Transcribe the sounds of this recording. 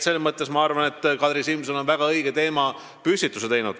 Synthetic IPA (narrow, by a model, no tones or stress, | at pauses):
se̞lmɤt̪ːˑe̞smɑɑrvɑne̞t̪ːkɑd̪ɾisilmsono̞nvæɡ̥ɑɤjɡ̥et̪e̞ːmɑ | pysit̪ːˑuset̪e̞jnud̪̥